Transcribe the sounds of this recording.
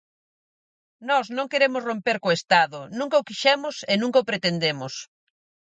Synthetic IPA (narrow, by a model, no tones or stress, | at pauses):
nɔsnõŋkeɾemʊsrompeɾkoest̪aðʊnũŋkɐokiʃɛmʊsenũŋkɐʊpɾet̪end̪emʊs